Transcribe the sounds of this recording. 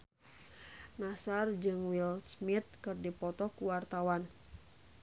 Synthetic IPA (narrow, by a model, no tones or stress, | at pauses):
nasard͡ʒɨŋwilsmit̪̚kɨrdipɔt̪ɔkuwart̪awan